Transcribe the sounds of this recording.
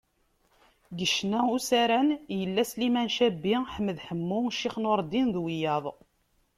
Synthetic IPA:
ɡəʃnæusæɾænjəlːæslimænʃæbːiħəmːəðħəmːʊʃiχnʊɾˤd̪inðwijɑðˤ

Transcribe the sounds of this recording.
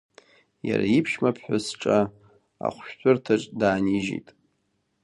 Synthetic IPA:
jaɾaipʰʃmapʰħʷᶣasʈ͡ʂʼa | a̰χʷʃᶣtʷʰʊrtʰaʈ͡ʂʼdaːniʒḛjtʼ

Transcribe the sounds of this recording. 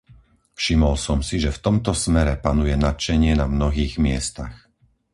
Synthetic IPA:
fʃimɔlsɔmsiʒɛft̪ɔmt̪ɔsmɛɾɛpanujɛnat̪t͡ʃɛɲɪɛnamnɔɦiːɣmɪɛst̪ax

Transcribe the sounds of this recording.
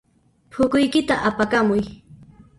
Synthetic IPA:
pʰʊkʊjkɪt̪aʔapakamʊj

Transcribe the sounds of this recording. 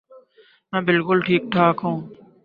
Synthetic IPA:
mɛ̃ːbɪlkʊlʈʰiːk̚ʈʰaːkɦõː

